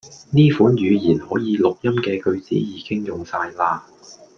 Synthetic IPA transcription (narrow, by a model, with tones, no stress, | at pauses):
niː˥fuː˨˥njyː˨˧jiː˨˩nhɔː˨˥jiː˨˧lʊ˨k̚jɐ˥mkɛː˧kɵ˧ɥt͡sḭː˨˥jiː˨˥kɪ˥ŋjʊ˨ŋsaː˧jlaː˧